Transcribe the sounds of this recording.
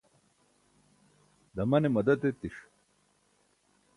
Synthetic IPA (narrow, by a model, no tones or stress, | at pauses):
d̪ɐmɐnemɐd̪ɐt̪et̪iʂ